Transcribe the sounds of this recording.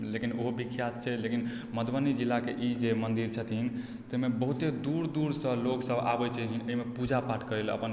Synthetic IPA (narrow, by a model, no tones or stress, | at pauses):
lekinoɦobikʰjat̪̚t͡ʃʰɛlekin | məd̪bənid͡ʒilːakeʔid͡ʒemənd̪iɾt͡ʃʰət̪in | t̪əimebəɦut̪ed̪uɾd̪uɾsə̃loksəbʱa̰bət͡ʃʰɛɦinəɦimepud͡ʒapaʈʰkəɾelə̰pən